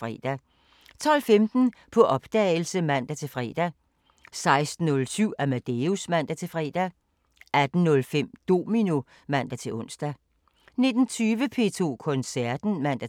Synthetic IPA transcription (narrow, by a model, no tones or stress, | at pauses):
fʁɛ̰d̥æ | t͡sʰɒ̽l̰femd̥n̩pʰɒ̽ʔɒ̽b̥d̥ɛɪl̩səmæn̰d̥æt͡sʰe̝lfʁɛ̰ːd̥æ | sɑ̈ɪsd̥n̩ɔ̽lsyʊ̰æmæd̥eusmæn̰d̥æt͡sʰe̝fʁɛ̰ːd̥æ | ʔæd̥n̩nɔ̽lfem̰d̥o̝̰ːminu | mæn̰d̥æt͡sʰe̝ɔ̽n̰sd̥æ | ne̝d̥n̩t͡sʰyːʋəpʰe̝̰t͡sʰo̝̰ːkʰɔ̽nsæɐd̥n̩mæn̰d̥æ